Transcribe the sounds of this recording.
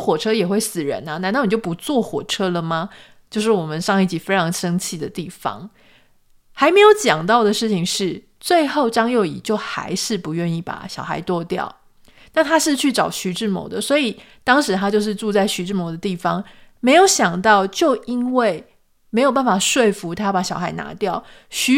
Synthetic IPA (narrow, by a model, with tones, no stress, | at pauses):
xwɔ˨˩ʈ͡ʂʰɤ˥jɛ˨˩xwe˥˩ɪsɹ̩˨˩ɻə̰˧˦nɐ˨na˧˥n˥˩n˨˩t͡ɕo˥˩ʊp̬u˧˦˥t͡swɔ˥˩xwɔ˨˩ʈ͡ʂʰɤ˥lə˨mɐ˩ | t͡ɕjo˥˧ʊʂ̬ɻ̩˥˩wɔ˨˩mə˦nʂɑ˥˧ŋi˥˩t͡ɕi˨˥fe˥ɪʈ͡ʂʰɑ˧˥ŋʂə˥ŋt͡ɕʰi˥˩d̪ə˨˩t̪i˥˩fɑ̰˧˦ŋ | xa˧˥ɪme˧˥ɪjo˧˥ʊt͡ɕjɑ˨˩ŋt̪ɑ˥˩ʊd̪ə˩ʂɻ̩˥˩t͡ɕʰi˨˩ŋʂɻ̩˥˩ | t͡swe˥˧ɪxo˥˩ʊʈ͡ʂɑ˥ŋjo˥˩ʊḭ˨˩t͡ɕjo˥˩ʊxa̰˧˥ɪʂɻ̩˥˩pu˧˥ɥɛ˥˧ni˥˩pa̰˨˩ɕjɑ˨˩ʊxa̰˧˥ɪt̪wɔ˥˧t̪jɑ̰˥˨˩ʊ | na˥˩t̪ʰa˥ʂɻ̩˥˧t͡ɕʰy˥˩ʈ͡ʂɑ˨˩ʊɕy˧˥ʈ͡ʂɻ̩˥˩mo̰˧˥˦d̪ə˨swɔ˧˥i˨˩ | t̪ɑ˥ŋʂɻ̩˧˥t̪ʰa˥t͡ɕjo˥˧ʊʂɻ̩˥˧ʈ͡ʂu˥˧t͡sa˥˩ɪɕy˧˥ʈ͡ʂɻ̩˥˩mo˧˦d̪ə˨t̪i˥˩fɑ˩ŋ | me˧˥ɪjo˧˥ʊɕjɑ˨˩ŋt̪ɑ˥˧ʊt͡ɕjo˥˨˩ʊi˦˥nwe˥˩ɪ | me˧˥ɪjo˨˩ʊp̬a˥˩n˩fa˨˩ʂwe˥˩ɪfu˧˥t̪ʰa˥pa˨˩ɕjɑ˨˩xa˧˥ɪna̰˧˥t̪jɑ˥˨ʊɕy˧˥